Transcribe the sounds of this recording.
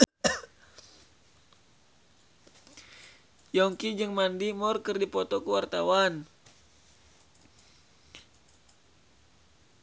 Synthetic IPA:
jɔŋkid͡ʒɨŋmandimɔrkərdipɔt̪ɔkəwart̪awan

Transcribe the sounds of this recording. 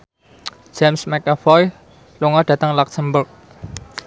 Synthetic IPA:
d͡ʒemsmɛkafɔj | luŋɔɖ̥ä̤t̪aŋlɔksəmbʊrk̚

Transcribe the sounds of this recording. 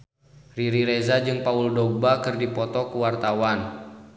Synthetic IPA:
riɾiɾezad͡ʒɨŋpauldɔɡ̚bakɨrdipɔt̪ɔkuwart̪awan

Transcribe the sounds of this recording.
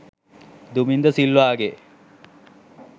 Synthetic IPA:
d̪umind̪əsilːʋaːɡe

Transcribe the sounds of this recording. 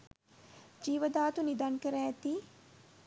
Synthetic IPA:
d͡ʒiːʋəd̪aːt̪unid̪ankəɾaːt̪i

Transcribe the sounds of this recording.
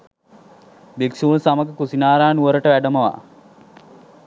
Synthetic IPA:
beksuunsaməkəkusinaːɾaːnuʋəɾəʈəʋæɖəməʋa̰

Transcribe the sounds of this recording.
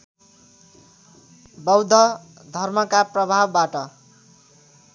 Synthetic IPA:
bʌwd̪ʱʌ | d̪ʱʌrmʌkaprʌbʱabːaʈʌ

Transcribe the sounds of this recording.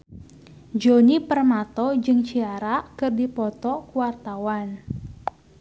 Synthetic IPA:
d͡ʒonipərmat̪ɔd͡ʒɨŋt͡ʃiaɾakɨrdipɔt̪ɔkuwart̪awan

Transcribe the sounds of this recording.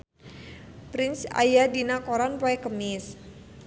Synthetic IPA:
pɾɪnsa̰jadinakoɾanpɔɛkəmɪs

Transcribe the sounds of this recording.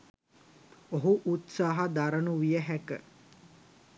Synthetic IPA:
oɦuʔut̪saːɦad̪aɾənuʋijəɦækə

